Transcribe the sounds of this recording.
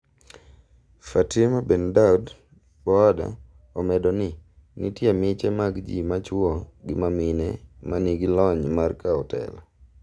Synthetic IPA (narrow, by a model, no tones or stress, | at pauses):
fatimabɛndaud | bɔada̰ | ɔmɛdɔnɪ | nitjemɪt͡ʃɛmaɡd͡ʒḭmat͡ʃwɔɡɪmamɪnɛmaniɡilɔɲmarkaɔtɛ̰la